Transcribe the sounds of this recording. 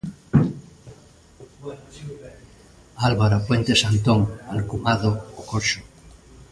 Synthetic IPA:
alβaɾapwent̪esant̪oŋalkumaðokoʃo

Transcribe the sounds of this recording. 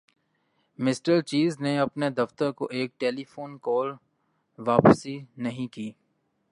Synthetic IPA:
mɪsʈəɾt͡ʃiːzneɐpned̪ɐft̪əɾkoʔeːk̚ʈeːlifoːnkɔːl | ʋaːpsinɐɦĩkiː

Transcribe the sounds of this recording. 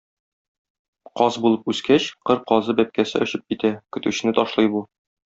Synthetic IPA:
qɒzbulˠɤpʉskæɕqɤɾqɒzɤbæp̚kæsɘɵ̆ɕɘp̚kit̪ækɵ̆t̪ʉɕɘ̆nɘt̪ɒʃlˠɤjbu

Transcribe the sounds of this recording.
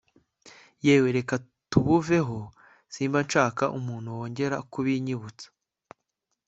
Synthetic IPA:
jeːwe̞ɾe̞ka | tuβuve̞ɦo̞ | siːmbanʃaːka̰ʔumuːn̥huwo̞ːɲɟe̞ɾakuβiɲiβut͡sḁ

